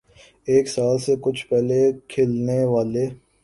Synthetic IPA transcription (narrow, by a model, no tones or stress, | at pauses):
eːksaːlsekʊt͡ʃʰpɛɦlekʰeːlneʋaːleː